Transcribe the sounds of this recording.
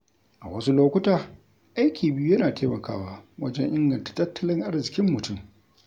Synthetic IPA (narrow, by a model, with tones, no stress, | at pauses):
ʔa˨wɐ˦su˦loː˦kʷʊ˦taː˨ | ʔa˦jkʲiː˨bɪ˦ju˦jɐ˦naː˨teː˦mɐ˨kaː˦waː˦wɐ˦d͡ʒɛ˦ŋʔɪ˦ŋɡɐ˨ntḁ˨tɐ˦tʰːɐ˦lɪ˦ŋʔa˦rzɪ˨kʲɪ˦mːʊ˨tʊ˦m